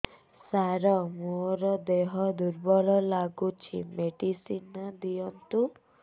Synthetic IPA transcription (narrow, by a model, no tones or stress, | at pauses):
saɾɔmoɾɔd̪eɦɔd̪uɾbɔlɔlaɡut͡ʃʰḭmeɖisinad̪ijɔnt̪u